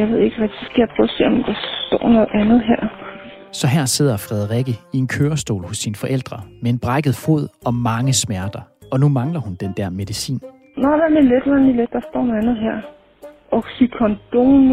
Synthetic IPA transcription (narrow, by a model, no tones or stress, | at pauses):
ɑ̈ʋe̝ð̰ˠeɡ̥ʁaɡ̥̚d̥isɡ̥æjapʰʁɔ̥se̝̰ɐɒmd̥ɑ̈sd̥ɒ̰ːnɔ̽ːð̩ˠænð̞̩ˠɦæɐ̰ | sɒ̽ɦæɐ̰se̝ð̞̰ˠɐfʁɛð̞ˠʁiɡ̥əie̝nkʰøːɐsd̥o̝̰ːlhɔsːinəfɒ̽ʔel̰d̥ʁɐmee̝nb̥ʁɑ̈ɡ̥əð̩ˠfo̝ð̞̰ˠɒ̽mɑ̈ŋəsmæɐd̥ɐɒ̽numɑ̈ŋlɐhund̥end̥æɐme̝ðˠisḭːn | nɒʋæmiled̥ʋæmiled̥ːɑ̈sd̥ɔ̰ːnɔænð̞̩ˠɦæɐ̰ | ʔɒɡsikʰɒnd̥on